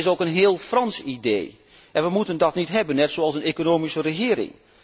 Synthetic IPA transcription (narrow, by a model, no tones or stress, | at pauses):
ɪsokənɦɪːəlˠfrɑnsidḛː | ʔɛ̃nʋəmutəndɔtnitɦɛbənːɛtsoɑlˠsənekonoːmisərəxɪːəɾɪ̰ŋ